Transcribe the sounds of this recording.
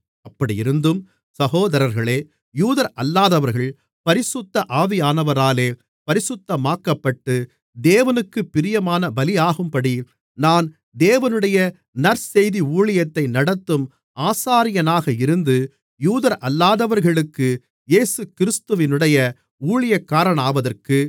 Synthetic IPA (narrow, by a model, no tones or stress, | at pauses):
ɐpːɐɽijɪɾɯnd̪ɯm | sɐɣoːðɐɾɐɾɣɐɭeː | juːðɐɾʔɐlːaːðɐʋɐɾɣɐɭ | pɐɾɪsʊt̪ːɐʔaːʋɪjaːnɐʋɐɾaːleː | pɐɾɪsɯt̪ːɐmaːkːɐpːɐʈːɯ | d̪eːʋɐnɯkːɯpːɪɾɪjɐmaːnɐbɐlɪjaːɣɯmpɐɽi | naːn | d̪eːʋɐnɯɽɐjɐ | nɐɾsɛjðiuːɭɪjɐt̪ːɐɪnɐɽɐt̪ːɯm | aːsaːɾɪjɐnaːɣɐɪɾɯnd̪ɯ | juːðɐɾʔɐlːaːðɐʋɐɾɣɐɭɯkːɯ | jeːsɯkɪɾɪst̪ɯʋɪnɯɽɐjɐ | uːɭɪjɐkːaːɾɐɳaːʋɐðɐrkɯ